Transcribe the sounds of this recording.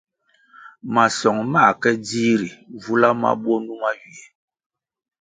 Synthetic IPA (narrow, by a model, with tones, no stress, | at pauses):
ma˨sɔ˨ŋma˦˨kɛ˦di˦ɾi˨vu˦la˦ma̰˦bɔ˦nu˦ma˦ɥi˨e˨